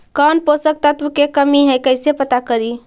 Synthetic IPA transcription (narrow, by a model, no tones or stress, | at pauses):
kɔːnposək̚t̪ət̪ʋəkekəmiɦɛjkəɪsepət̪akəɾi